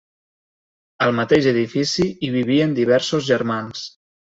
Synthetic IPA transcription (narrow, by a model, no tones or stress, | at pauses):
əlˠmət̪eʒəðifisiiβiβiənd̪iβ̞ɛɾsuzʒəɾmans